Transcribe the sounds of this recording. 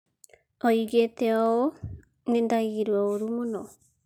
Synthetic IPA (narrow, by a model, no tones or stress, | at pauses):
ojɡet̪eoo | nendaiɾuooɾumono